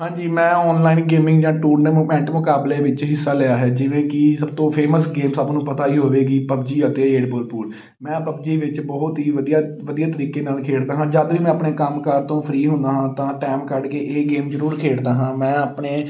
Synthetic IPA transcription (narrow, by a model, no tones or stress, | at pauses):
ɦãːd͡ʒiːmɛ̃ːɔːnlaːinɡeːmɪ̃ŋɡd͡ʒãːʈuːɾneːmuːmɛ̃ɳʈmʊkaːbleːʋɪt͡ʃɦɪsːaːlɛjaːɦɛːd͡ʒɪʋẽːkɪsəbt̪õːpʰeːməsɡeːmsəbnũːpət̪aːiːɦoːʋeːɡiːpəbd͡ʒiːət̪eːeːɖboːlpuːl | mɛ̃ːpəbd͡ʒiːʋɪt͡ʃbɔːɦʊt̪ɦiːʋəd̪ijaːʋəd̪iːaːt̪əɾiːkeːnaːlkʰeːɽd̪aːɦãːd͡ʒəd̪ʋiːmɛ̃ːapɳeːkəmkəɾt̪õːpʰəɾiːɦʊ̃nd̪aːɦãːt̪ãːʈaːmkəɖkeːʔeːɡeːmd͡ʒəɾuːɾkʰeːɽd̪aːɦãːmɛ̃ːəpɳeː